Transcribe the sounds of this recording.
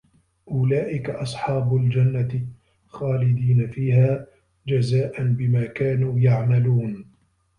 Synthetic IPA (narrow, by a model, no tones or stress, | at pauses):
ʔʊlaːʔɪkaʔɑsˤħɑːbʊld͡ʒanːat̪ɪ | xaːlɪd̪iːnafiːhaː | d͡ʒazaːʔanbɪmaːkaːnuːjaʕmaluːn